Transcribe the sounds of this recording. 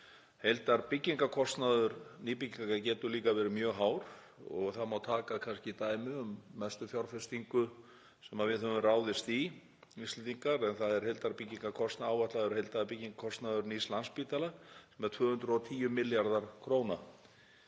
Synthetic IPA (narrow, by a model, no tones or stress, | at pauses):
hejlt̪aɾpɪcːiŋkakʰɔst̪naðʏɾniːpiciŋkacɛːt̪ʏliːkavɛːɾɪmjœːɣɦaːwɾ | ɔ̰ɣθaðmawt̪ʰaːkakʰanscɪit̪aːjmɪʏmːɛst̪ʏθjawɾ̥fɛst̪iŋkʏ | sɛmaðvɪðɦœvʏmraːwðɪst̪i | ist̪ɪt̪iŋkaɾɛnθaðɛɾ̥ɦejlt̪aɾpɪcːiŋkakʰɔst̪naaːwvat̪laðʏɾ̥hejlt̪aðapɪcːiŋkḁkʰɔst̪naðʏɾnislanspiːt̪alasɛmɛɾ̥t̪ʰvʏːhʏnt̪ɾʏɔt̪ʰiːjʏmɪljaɾðaɾ̥kʰɾoːwna